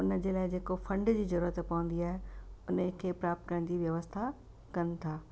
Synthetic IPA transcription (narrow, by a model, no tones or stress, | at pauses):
ʊnəd͡ʑeːlaːɪd͡ʑeːkofɐ̃ɳɖd͡ʑiːzɐɾuːɾət̪pɐʋə̃n̆d̪iaːɦeʊnəkʰeːpɾaːp̚t̪kɐɾəɽ̃d͡ʑiːʋjɐʋəst̪ʰa | kɐnɪ̆t̪ʰaː